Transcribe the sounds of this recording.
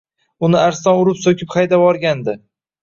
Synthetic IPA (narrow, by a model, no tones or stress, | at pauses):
ʊnɪaɾsɒnʊɾɪpsokʲʰɪpχajd̪avɒɾɡʲand̪ɪ